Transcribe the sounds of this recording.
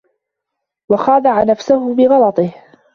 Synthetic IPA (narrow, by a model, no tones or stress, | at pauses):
wɑxɑːd̪aʕanafsahʊbɪɣɑlɑt̪ˤɨh